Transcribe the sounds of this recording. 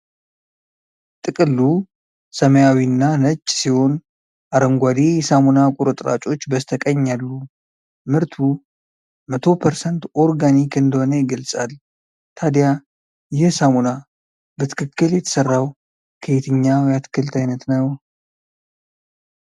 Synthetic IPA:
t̪ʼɨkʼɨlːu | səməjawinːanət͡ʃʼːsiho̞n | ʔaɾəŋɡʷad̪ijɛsamunakʼuɾɨt̪ʼɾa̰t͡ʃʼo̞t͡ʃːbəst̪ʰəkʼəɲːalːu | mɨɾt̪ʰu | mət̪ʰo̞pʰəɾsənt̪o̞ɾɡanikʰɨnd̪əho̞nəjɪɡəlsʼal | t̪ʰad̪ja | jɛsamuna | bət̪ʰɨ̥kʰɨkːɨljɛt̪ʰə̥sərːaw | kʰəet̪ʰɨɲːawjat̪ʰɨ̥kʰːɨlt̪ʰajnət̪nəw

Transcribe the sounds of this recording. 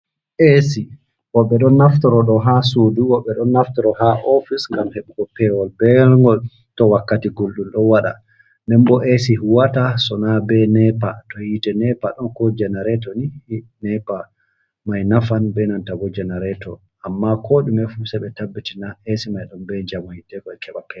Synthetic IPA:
ʔesi | wɔɓɛɗɔnːaftɔɾɔɗɔɦasoduwɔɓɛɗɔnːaftɔɾɔhaʔɔfisŋɡamheɓukɔpɛwɔlbɛɾŋɡɔl | tɔwakːatiɡolɗumɗɔnwaɗa̰ | ndɛmbɔʔesiɦuwatasɔnabɛnɛpatɔhitɛnɛpaɗɔnkɔd͡ʒɛnaɾɛtɔnihnɛpa | majnafanbɛnantabɔd͡ʒɛnaɾɛtɔ | amːakʰoːɗumɛfusɛɓɛtabːitinaesimajɗɔmbɛd͡ʒamɔhitɛkɔɛkʰɛɓakɛ

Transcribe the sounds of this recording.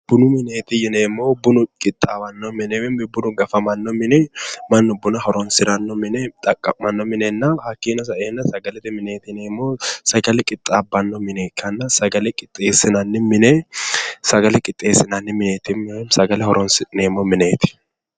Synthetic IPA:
b̥ʊnʊmɪneːt̪ɪjɪneːmoːbʊnʊkʼɪt̪ʼːaːwɐnːɔmɪnɛwɛmbʊnʊɡɐfɐmɐnːɔmɪnɛmɐnːɔbʊnɐhɔɾɔnsɪɾɐnːɔmɪnɛt̪ʼɐkʼːɐmɐnːɔmɪnɛnːɐhɐkːiːnɐs̬ɐʔeːnːɐsɐɡɐlɛt̪ɪmɪneːt̪ɪneːmːosɐɡɐlɛkʼɪt̪ʼːaːbːɐnːɔmɪnɛkʰɐnːɐsɐɡɐlɛkʼɪt̪ʼːeːsɪnɐnːɪmɪnɛ | sɐɡɐlɛkʼɪt̪ʼːeːsɪnɐnːɪmɪneːt̪ɪmɛmsɐɡɐlɛhɔɾɔnsɪneːmːɔmɪneːt̪ɪ̥

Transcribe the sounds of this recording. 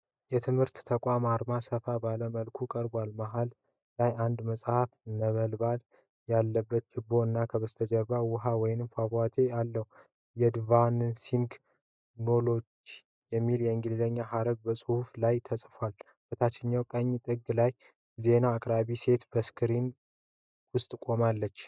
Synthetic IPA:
jɛt̪ʰɨmhɨɾt̪ːʰəkʼamaɾmasəfabaləməlkʰukʼəɾbʷalmaɦalː | ajand̪məsʼhafnəβəlbal | jalːəbːət̪t͡ʃɪbo̞ɨnːakʰəβəst̪ʰəd͡ʒəɾbawʊɦawɔjɪnɨmfaβat̪ʰe̞alːəhu | jɛd̪vansiŋɡ | no̞lo̞t͡ʃː | jɛmːiljɛɨŋɡɨlzəɲːaɦaɾəɡ̚bəsʼhuflajt̪ʰəsʼfwal | b̥ət̪ʰat͡ʃːɪɲːawkʼəɲːt̪ʼɨɡlaj | ze̞naːkʼɾaβise̞t̪bəskʰɨɾin | wʊst̪ʼkʼo̞malːət͡ʃː

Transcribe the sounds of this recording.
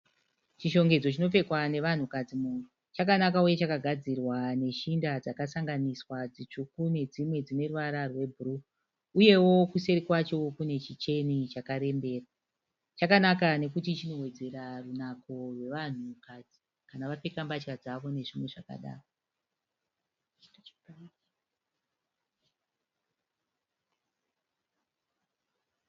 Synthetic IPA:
t͡ʃiʃo̞ŋɡe̞d͡zo̞t͡ʃino̞fe̞kwane̞ʋan̤ukad͡zimunu | t͡ʃakanakauje̞t͡ʃakaɡʱad͡zirwane̞ʃindad͡zakasaŋɡaniswad͡zit͡ʂukune̞d͡zimwe̞d͡zine̞ruʋaɾarwe̞bʱuru | uje̞wo̞kuse̞ɾikwat͡ʃokune̞t͡ʃit͡ʃe̞nit͡ʃakaɾe̞mbe̞ːra | t͡ʃakanakane̞kutit͡ʃino̞we̞d͡ze̞ɾarunako̞rwe̞ʋan̤ukad͡zi̥ | kanaʋapekambat͡ʃkad͡zaʋo̞ne̞ʐimwe̞ʐaka̰ɗa̰ːro

